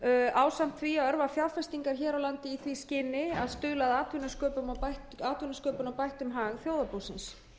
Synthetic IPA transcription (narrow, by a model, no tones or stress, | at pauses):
aːwsam̥t̪θʰviaðœɾvafjaðfɛst̪iŋkaɾ̥çɛːɾawlant̪ɪiθviscɪnɪaðst̪ʏːlaðaːt̪vʏnaskœːpʏmapajht̪aːt̪vʏnaskœːpʏnawpajht̪ʏmɦaːɣθjowðapoːwsɪns